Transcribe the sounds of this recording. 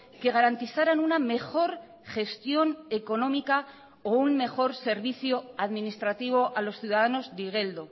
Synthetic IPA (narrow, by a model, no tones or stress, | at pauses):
ke̞ɣ̞aɾant̪iθaɾanuname̞xo̞ɾ | xe̞st̪jo̞ne̞ko̞nõ̞mika | oumme̞xo̞ɾse̞ɾβiθjoaðminist̪ɾat̪iβ̞o̞ʔalo̞sθjiuðaðano̞zd̪iɣ̞e̞ld̪o̞